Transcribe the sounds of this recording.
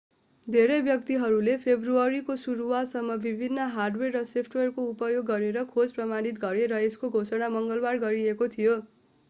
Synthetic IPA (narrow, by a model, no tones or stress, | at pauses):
d̪ʱeɾʌjbjʌkt̪iɦʌɾulepʰebruʌɾikosuɾuwasʌmːʌbibʱinːʌɦarɖwerːʌsopʰʈwerkoupʌjoɡːʌɾeɾʌkʰod͡zprʌmanit̪ɡʌɾeɾʌeskoɡʱosʌɽamʌŋɡʌlbarɡʌɾiekot̪ʰijo